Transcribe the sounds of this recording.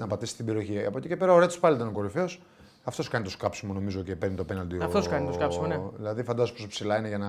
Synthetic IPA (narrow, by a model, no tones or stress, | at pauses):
nɐpɐt̪isi̥st̪ibe̞ɾio̞çiɐpot̪ice̞pe̞ɾɐoɾet̪i̥spɐlit̪ɐno̞ko̞ɾife̞o̞s | ɐft̪o̞skɐnit̪o̞skɐpsimono̞mizo̞ce̞peɾnit̪openɐld̪iɐft̪oskɐnit̪oskɐpsimoneðḭlɐðifɐnd̪ɐzopospsilɐineʝɐnɐ